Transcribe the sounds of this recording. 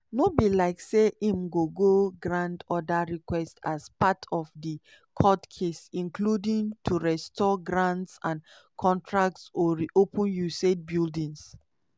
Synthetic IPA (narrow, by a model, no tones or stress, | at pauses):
nobilaɪkseʔĩmɡoɡoɡɹãndɔdaɹikwɛstaspatʰɔfdi | kʰɔtkʰesĩnkʰludĩŋtʰuɹɛstʰɔɡɹãntsãn | kʰɔ̃ntʰɹak̚tsɔɹiʔopə̃njuset̚bildĩŋs